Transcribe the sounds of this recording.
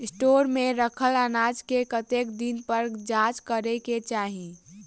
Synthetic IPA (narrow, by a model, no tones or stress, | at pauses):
sʈoːɾmẽɾəkʰələnaːd͡ʒkekət̪ekd̪inpəɾd͡ʒat͡ʃkəɾeket͡ʃaːɦĩ